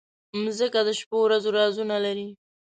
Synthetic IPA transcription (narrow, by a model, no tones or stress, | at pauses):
mzəkad̪əʃpowɾazoɾɑzunalaɾi